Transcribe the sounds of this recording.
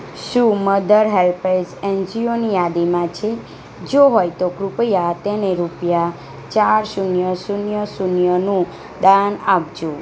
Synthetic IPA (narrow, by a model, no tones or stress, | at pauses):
ʃũməd̪ʱəɾɦelpesend͡ʒionijad̪imãt͡ʃʰe | d͡ʒoɦojt̪okɾʊpəjat̪eneɾupja | t͡ʃaɾʃunjəsunjəsunjənũ | d̪anapd͡ʒũ